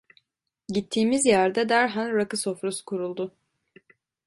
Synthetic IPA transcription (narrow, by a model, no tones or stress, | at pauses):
ɟit̪ʰːiːmizjæɾd̪ɛd̪æɾɦanɾakɯso̞fɾuskʰuɾulˠd̪ʊ